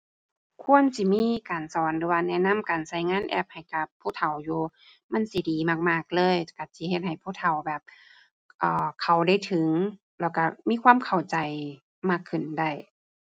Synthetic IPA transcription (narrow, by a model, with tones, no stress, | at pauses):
kʰu˧˥˨ənsi˧˦miː˧˥˨kaː˨nsɔː˨˦nlɯː˧˦waː˧nɛː˧˨na˧˥˨mkaː˨˩nsa˧˩jŋaː˧˥˨nʔɛ̰ː˧˩p̚ha˨˩jka˧˩pʰːuː˧˥˨t̪ʰa˨˩wjuː˧ | ma˧˥˨nsi˧˦diː˨maː˧˩k̚maː˧˩k̚lɤː˧˥˨jka˧˩si˧˦he˧t̪̚ha˨˩jpʰuː˧˥˨t̪ʰa˨˩wbɛː˨˩p̚ | ʔɔː˨˩kʰa˨˩wda˧˩˨jt̪ʰɯ˨˦ŋ | lɛː˧˩wka˧˩miː˧˥˨kʰwaː˧˥˨mkʰa˨˩wt͡ɕa˨˩j | maː˧˥˩kʰːɯ˨˩nda˧˩j